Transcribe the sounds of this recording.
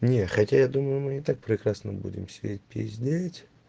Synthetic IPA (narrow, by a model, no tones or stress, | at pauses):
nʲexatʲajad̪uməjʊmɨnʲɪt̪ak̚pɾʲɪkɾasnəbṵdʲɪ̰msʲɪdʲet̚ʲpʲɪ̰zʲdʲelʲtʲ